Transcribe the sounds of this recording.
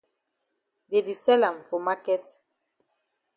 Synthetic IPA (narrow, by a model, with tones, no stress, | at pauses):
de˨di˨sɛ˦la˨mfɔ˨ma˦kɛ˦t